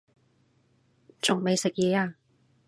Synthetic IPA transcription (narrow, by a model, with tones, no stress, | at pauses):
t͡sʊ˨ŋme˨jsɪ˨k̚jɛː˨˧˥aː˧